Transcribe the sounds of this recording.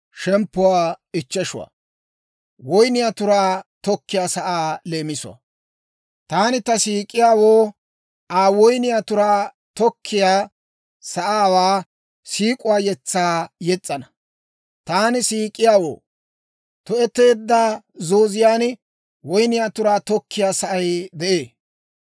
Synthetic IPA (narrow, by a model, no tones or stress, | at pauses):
ʃɛmpːʊwaːɪt͡ʃːɛʃʊ̰wa̰ | wɔjnɪjaːt̪ʊɾaːt̪ɔkːɪjaːsɐʔaːle̞ːmɪsʊ̰a̰ | t̪aːnɪt̪ɐsiːkʼːɪjaːwoː | aːwɔjnɪjat̪ʊɾaː | t̪ɔkʰːɪjaː | sɐʔaːwaː | siːkʼʊwaːjɛt͡sːaːjɛt͡sʼːɐnɐ | t̪aːnɪsiːkʼːɪjaːwo̰ː | t̪ɔɛt̪ːe̞ːd̪ːaː | zoːzɪjaːn | wɔjnɪjat̪ʊɾaːt̪ɔkːɪjaːsɐʔɐjd̪ɛʔeː